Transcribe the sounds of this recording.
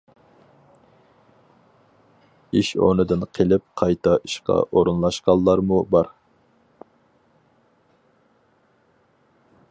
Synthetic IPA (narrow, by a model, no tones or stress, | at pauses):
iʃo̰nɨd̪ɨnqʰelɪp̚qʰɑjt̪ʰɑʔiʃqɑ̰ʔoɾunlˠɑʃqɑnˠlːˠɑɾmubɑɾ